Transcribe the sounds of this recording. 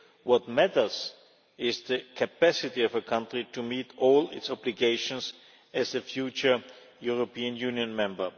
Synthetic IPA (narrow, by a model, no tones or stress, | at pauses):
wɔt̚mætə˞s | ɪzðəkʰɨpæsɪtiɔvəkʰãntɹitumiːtɔːlɪtsɔbliɡeɪʃɔ̃ns | ɨzəfjuːt͡ʃə˞ | juɹopiːə̃njʉ̃njə̃nmɛ̃mbə˞